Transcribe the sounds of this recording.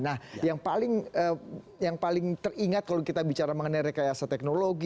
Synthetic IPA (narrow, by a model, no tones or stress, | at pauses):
nahjaŋpalɪŋə | jaŋpalɪŋt̪əriŋat̪̚kalowkit̪abit͡ʃaɾaməŋənajɾekajasat̪ɛknoloɡi